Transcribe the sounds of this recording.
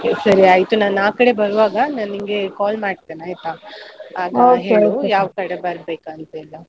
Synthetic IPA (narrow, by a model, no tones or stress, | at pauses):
sɐɾiɐjt̪unaːnaːkɐɽe̞bɐɾuʋaːɡɐnɐniŋɡekaːlmaːɖt̪eːnaːjit̪aaːɡ̪ɐɦeːɭd̪ujaːʋkɐɽebɐɾbeːkaːnt̪ɐilːɐ